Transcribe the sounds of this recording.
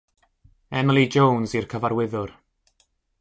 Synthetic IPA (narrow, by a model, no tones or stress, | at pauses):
ɛmɪlˠid͡ʒownzirkʰəvaɾwɪðʊr